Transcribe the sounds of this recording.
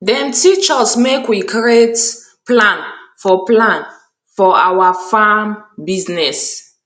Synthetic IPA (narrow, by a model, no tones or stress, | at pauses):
dɛ̃mtʰit͡ʃɔsmekwikʰiet | plãnfɔplãn | fɔa̰wafambiznɛs